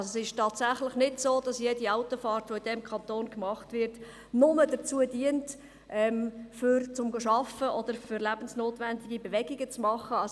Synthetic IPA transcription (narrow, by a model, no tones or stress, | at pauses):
sosɪʃtɑːtsæχləχnɪtsoːd̥ɑsjediaʊtofɑːɾtʋoid̥ɛmkʰɑntoːnkmɑχtvɪɾt | nʊmədət͡suːədiənt | ʔɛmfʏɾt͡sʊmɡoʃɑfəʔɔd̥̪əɾfʏɾlæb̥ən̩snoːtʋændɪɡibeʋɛɡɪɡət͡smɑχəɑs